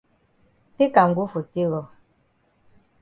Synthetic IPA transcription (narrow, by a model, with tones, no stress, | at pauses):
ti˦ka˨ŋ̩˨ɡu˦fu˨ti˦lɔ˨